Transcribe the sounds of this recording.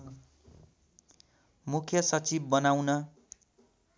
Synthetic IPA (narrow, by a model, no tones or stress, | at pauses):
mukʰjʌsʌt͡sibːʌnawnʌ